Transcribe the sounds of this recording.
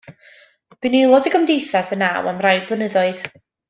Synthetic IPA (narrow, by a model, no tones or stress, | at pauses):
b̥ɨnilˠɔdəɡəmdejθasənawamrajblˠənəðɔɨð